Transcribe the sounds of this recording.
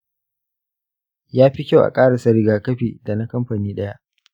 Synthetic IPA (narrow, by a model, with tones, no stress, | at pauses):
jaː˦ɸi˦kʲa˦wʔa̰˨kʼaː˦ɽa˨sɐ˦ɾɪ˦ɡaː˨kɐ˦ɸiː˨da˨na˦kɐ˦mɸaː˨niː˦ɗɐ˦ja˦ʔ